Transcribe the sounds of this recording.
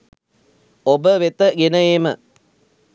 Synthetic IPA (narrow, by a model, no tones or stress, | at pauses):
obəʋet̪əɡenəeːmə